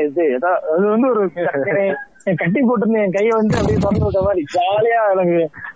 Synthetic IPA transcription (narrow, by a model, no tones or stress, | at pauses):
ɛðɯɛðaːɐðɯʋɐnd̪ɯɔɾɯt̪ɐkːɐɳɐ̃ | kɐʈ̬ːip̬oːʈ̬ːɯɾɯnd̪ɯɛ̃kɐjʋɐnd̪ɯɐpːɐɽipɔɾɐnd̪ɯʋɯkːɾɐmaːd̪ɾid͡ʒaːlɐjaːnɐɡẽ